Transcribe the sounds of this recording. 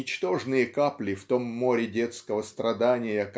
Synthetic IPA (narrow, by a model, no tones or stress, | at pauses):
ɪt͡ɕt̪o̞ʐnɨjəkaplʲɪft̪o̞mːo̞ɾʲɪdʲe̞t̪skəvəst̪ɾɐd̪anʲɪjək